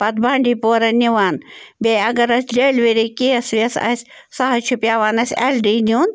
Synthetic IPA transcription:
pɐt̪̚baːɳɖiːpoːɾɐniʋaːnbeːɐɡɐɾɐsʲd͡ʒeːlʋiɾikiɐsʋɐsɐ̰sʲ | sɐɦɐt͡ʃʰupjaːʋaːnɐsʲḛlɖiːnʲuːn

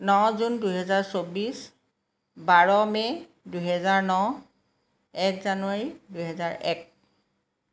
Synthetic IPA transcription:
nɔzundujɦɛzaɹsobis | baɹɔmɛ | dujɦɛzaɹnɔ | ɛkzanuaɹidujɦɛzaɹʔɛ̰k̚

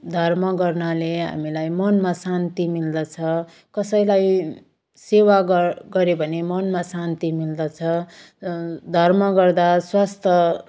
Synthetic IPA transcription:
d̪ʱʌrmʌɡʌrnaleɦa̰milajmʌnmasant̪imild̪ʌt͡sʰʌ | kʌsʌjlaj | sewaɡɡʌɾebʱʌnemʌnmasant̪imild̪ʌt͡sʰʌ | d̪ʱʌrmʌɡʌrd̪aswast̪ʰʌ

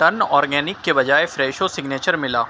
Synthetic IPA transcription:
ʈɐnɔːɾɡɛːnɪkːebɐd͡ʒaːefɾɛːʃosɪɡneːt͡ʃəɾmɪlaː

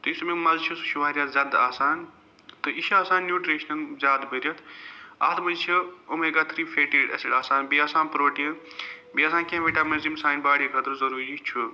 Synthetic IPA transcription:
t̪ɨismĩmɐzt͡ʃʰisʃuʋaːɾjaːzʲaːd̪aːsaːn | t̪ɨiʃaːsaːnːjuːʈɾeːʃnɐlzʲaːd̪bɐɾʲɐt̪ʰɐ̰t̪ʰmɐzt͡ʃʰiumeɡaːt̪ʰɾiːfʰeːʈeːɖɐ̰sɐɽaːsaːnbiaːsãːnpɾoːʈĩ | biaːsaːnkẽʋiʈaːmɐzimsaːjnbaːɽiːkɐt̪ɾzɐɾuːɾiːt͡ʃʰu

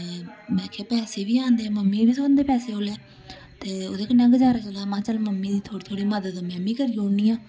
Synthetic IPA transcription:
mɛ̃ːkʰeːpɛːseːʋiːãːnd̪eːməmːiːbiːsobənd̪eːpɛːseːoːleː | t̪eːo̰ːd̪eːknəŋɡd͡ʒaːɾasəlaːmãːt͡ʃəlməmːiːd̪iːt̪ʰoːɽiːt̪ʰoːɽiːməd̪əd̪omɛ̃ːmĩːkəɾiːõːniːãː

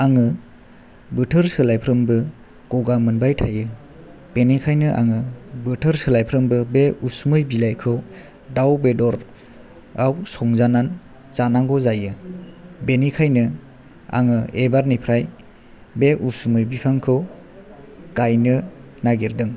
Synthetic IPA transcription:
aŋɯ | bɯtʰɯɾsɯlajpʰɾɯmbɯ | ɡ̥ɔɡamɯnbajtʰajɯ | b̥enikʰajnɯʔa̰ŋɯbɯtʰɯɾsɯlajpʰɾɯmbɯbeusumɯjbilajkʰɯw | dawbedɔɾ | awsɔŋzanan | zanaŋɡɔzajɯ | benikʰajnɯ | a̰ŋɯebaɾnipʰɾaj | beʔusumɯjbipʰaŋkʰɯw | kajnɯ | naɡiɾdɯŋ

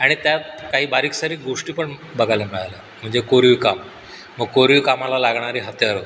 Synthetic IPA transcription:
aɽ̃it̪jakaɦiːbaɾiːksaɾiːɡoʂʈiːpəɳbəɡʱalemɛɭala | m̤əɳd͡zekoɾʋikamː | əɡ̚koɾʋikamalalaɡɳaɾiːɦət̪jaɾo

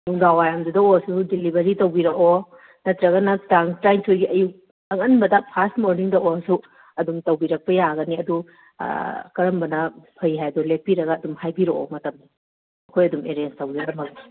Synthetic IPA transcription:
nuŋdawajamdudɐosudilibeɾitɐwbiɾɐko | nɐt̪ɾɐɡɐnɐtaŋtɾajnsʰojɡiʔɐjuk̚ | ɐŋɐnbɐdɐpʰastmoɾniŋdɐoɐsu | ɐdumtɐwbiɾɐk̚pɐjaɡɐniɐdṵ | kɐɾɐmbɐnɐpʰɐjɦajdɔlepːiɾɐɡɐːdumhajbiɾoo̰mɐtɐmdi | ɐkʰojɐdumeɾenstɐwɡiɾɐkɐmɐk̚ni

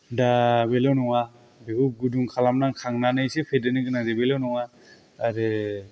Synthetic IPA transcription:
dabelawnɔŋa | biɡuɡuduŋkʰalamnaŋkʰaŋnanɯjsepʰedɯniɡɯnadebelawnɔŋaː | ɾɯ

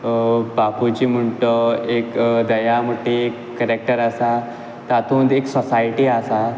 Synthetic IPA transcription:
baput͡ɕim̤əɳʈəekd̪əjaməʈːeekːəɾek̚ʈəɾasa | t̪at̪ʰuːnd̪eksɔsajʈiasa

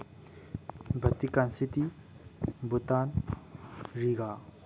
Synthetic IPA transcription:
bʱɐt̪ikansit̪i | but̪an | riɡa

